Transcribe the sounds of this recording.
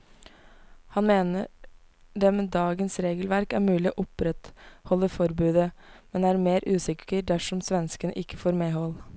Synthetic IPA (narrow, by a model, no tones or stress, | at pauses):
hɑnmeːnə | d̪ɛmeːd̪ɑːɡənsɾeːɡəlʋæɾkæɾmʉːlɪoːʔʊpɾɛt̪hɔlːəfɔɾbʉːd̪əmɛnæːɾmeːɾʔʉːsɪkʰəɾd̪æʂɔmsʋɛnskənʔɪkːəfoːɾmeːɦɔl